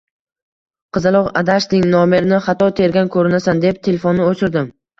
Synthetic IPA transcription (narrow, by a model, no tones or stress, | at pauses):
qʰɨzɪlˠɒqa̰d̪aʃnɪŋnɒmɪɾɪnɪχɑt̪ʰɒt̪ʰe̞ɾɡʲankʰɵɾɪnasand̪ep̚t̪ʰelʲefonːɪot͡ʃʰɪɾd̪ɪm